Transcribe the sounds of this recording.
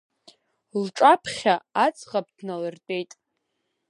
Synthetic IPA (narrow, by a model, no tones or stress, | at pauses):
lʈ͡ʂʼapʰχʲaat͡sʰʼʁap̚dnalɨrtʼe̞jtʼ